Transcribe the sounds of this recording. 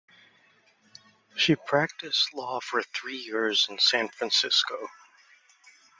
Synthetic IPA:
ʃipʰɹ̥æk̚tɨstˡlɔfə˞θɹijɪɹz̃n̩sæ̃nfɹæ̃nsɪskoʊ

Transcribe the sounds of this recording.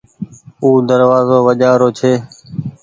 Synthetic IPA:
uːd̪əɾʋaːzoːʋəʄaːɾoːt͡ʃʰeː

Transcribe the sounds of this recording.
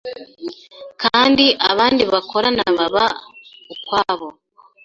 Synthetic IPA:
kaːndiʔaβaːndiβakʰo̞ɾanaβaβaukwaːβo

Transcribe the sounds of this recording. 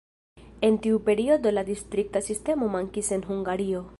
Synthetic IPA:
e̞ntiupe̞ɾio̞do̞ladistɾik̚tasiste̞mo̞maŋkise̞nɦuŋɡaɾio̞

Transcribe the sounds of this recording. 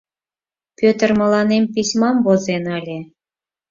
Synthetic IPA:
pʲøt̪ə̆rmɤ̆lɑnempʲisʲmɑmbozenɑlʲe

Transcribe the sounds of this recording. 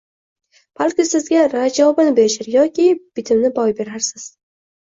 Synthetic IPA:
b̥alˠkʲɪsɪzɡʲaɾad͡ʒɒɒbanɪbeɾɪʃaɾjɒkʲɪb̥ɪt̪ʰɪmnɪbɒjbe̞ɾaɾsɪz̥

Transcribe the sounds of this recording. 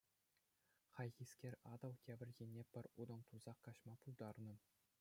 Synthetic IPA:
χɑjʁʲiskʲerʲɑd̪ɤ̆wkʲæbʲɘ̆rʲɡʲenʲːepʲɘ̆rʲud̪ɤ̆nt̪uzɑqːɑɕmɑpulˠd̪ɑrnɤ̆

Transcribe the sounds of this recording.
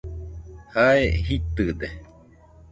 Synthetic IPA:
haehit̪ɨd̪e

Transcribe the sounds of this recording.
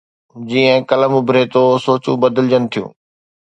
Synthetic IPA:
d͡ʑiːə̃kɐləmʊbʱɾeːt̪osoːt͡ɕṵ̃bɐd̪əld͡ʑənɪ̆t̪ʰijṵ̃ː

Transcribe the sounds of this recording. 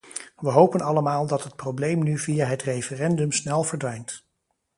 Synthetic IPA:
ʋəɦowpənɑləmaːlˠdɑtɦət̚prowblejmnyvijaɦətrejfərɛndɵmsnɛlˠvəɹdʋɛjnt

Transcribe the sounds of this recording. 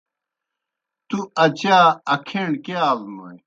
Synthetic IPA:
t̪uɐt͡ɕaːɐkʰeɳkeaːlmoj

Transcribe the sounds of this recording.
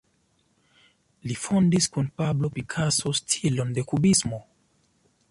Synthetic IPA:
lifondiskunpablopikʰasostʰilondekubismo

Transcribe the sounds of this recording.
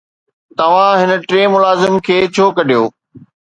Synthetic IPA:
t̪ɐʋ̤ãɦɪn̆ʈɾeːmʊlaːzɪmkʰeːt͡ɕʰoːkɐɗʱijoː

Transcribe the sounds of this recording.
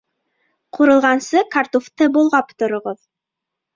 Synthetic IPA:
quɾɤ̆lˠʁɑnsɤkart̪uft̪ɤbulˠʁɑpt̪ŏɾŏʁoð

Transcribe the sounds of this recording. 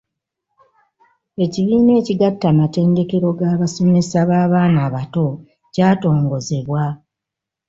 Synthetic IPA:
e̞ciβiːne̞ːciɡatːaːmate̞ːnde̞ke̞ɾo̞ɡaːβaso̞me̞saβaːβaːnaːβato̞ | caːto̞ːŋɡo̞ze̞βwa

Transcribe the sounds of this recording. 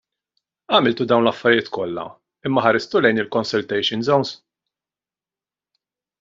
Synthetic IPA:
ɐmɪlt̪ud̪ɐwnlɐfːɐɾjɪːt̪kɔlːɐ̰ | ɪmːɐħɐɾɪst̪ulɛjnɪlkɔnsʊlt̪ɛjʃɪnzɔwns

